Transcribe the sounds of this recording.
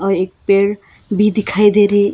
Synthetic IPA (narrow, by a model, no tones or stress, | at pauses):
ʌek̚peɽ | bid̪ikʰajd̪eɾe